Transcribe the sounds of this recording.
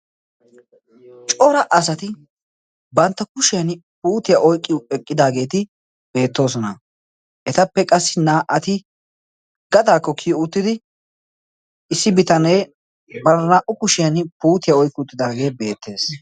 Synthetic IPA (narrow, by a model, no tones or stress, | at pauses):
t͡ʃʼɔɾɐʔɐsɐt̪ɪ | bɐnt̪ːɐkʊʃɪjɐnpuːt̪ɪjaʔɔjkʼːɪjʊɛkʼːɪd̪aːɡe̞ːt̪ɪ | b̥e̞ːt̪ːo̞ːs̬ɔnɐ | ʔɛt̪ɐpːɛkʼɐsːɪnaːʔɐt̪ɪ | ɡɐd̪aːkːɔkʰijʊt̪ːɪd̪ɪ | ɪsːɪbɪt̪ɐneː | bɐɾnaʔʊkʊʃɪjɐnpuːt̪ɪjaɔjkːʊt̪ːɪd̪aːɡe̞ːbe̞ːt̪ʰːe̞ːs